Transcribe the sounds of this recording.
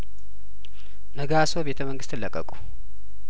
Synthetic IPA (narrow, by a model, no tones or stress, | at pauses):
nəɡaso̞be̞t̪ʰəməŋɡɨst̪ɨlːəkʼːəkʼu̥